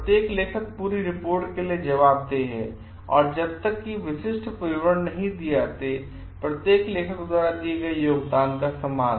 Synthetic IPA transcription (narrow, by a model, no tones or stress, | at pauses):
pɾət̪jeːkleːkʰək̚puːɾiɾɪpoːɾʈkelied͡ʒɐʋaːb̚d̪eɦɛ̰ | ɔ̰ːɾd͡ʒɐb̚t̪əkːiʋɪʃɪʃʈpɾɪʋɾəɳnɐɦĩd̪ijat̪e | pɾɐt̪jeːkleːkʰəkd̪waːɾad̪ieɡɐijoːɡd̪aːnd̪əsəmaːn